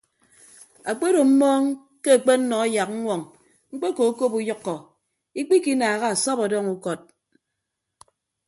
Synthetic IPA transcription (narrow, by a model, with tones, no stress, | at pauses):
a˨k͡pe˦ɾo˨m̩˦mɔː˦ŋ | ke˦a˨k͡pe˦n̩˦nɔ˨a˦ja˨k̚ŋ̩˦ŋʷwɔ˨ŋ | ŋ͡m̩˦k͡pe˦ko˨˦ko˦pu˦jɔ˦kːɔ˨ | i˦k͡pi˦ki˦naː˨ɣa˦a˨sɔ˦pɔ˨dɔ˦ŋu˦kɔ˦t̚